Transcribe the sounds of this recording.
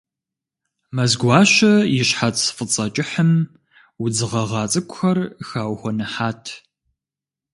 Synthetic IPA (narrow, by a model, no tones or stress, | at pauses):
mɐzɡʷɑːɕɐjɪɕħatsfɨt͡sʼɐt͡ʃʼɪħəm | ud͡zɨʁɐʁɑːt͡sʼɨkʷʼʊxɐrxaːwxʷɔnɨħaːtʰ